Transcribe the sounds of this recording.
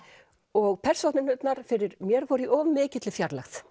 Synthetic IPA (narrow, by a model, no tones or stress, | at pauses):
ɔɣpʰɛr̥sowt̪nɪnʏt̪naɾ̥fɪɾɪɾmjɛɾfɔːɾiʔɔːvmːɪːcɪt̪lɪfjaɾlaxθ